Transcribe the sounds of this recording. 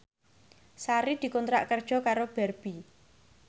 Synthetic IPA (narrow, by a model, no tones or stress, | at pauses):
saɾid̪̥i̤kɔnt̪ɾaʔkərd̥ʒ̥ɔ̤kaɾob̥ɛrb̥i